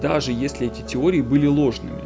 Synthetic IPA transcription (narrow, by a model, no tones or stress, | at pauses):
d̪aʐɨjesʲlʲɪɛtʲɪtʲɪo̞ɾʲɪːbɨlʲɪlˠo̞ʐnɨ̰mʲɪ̰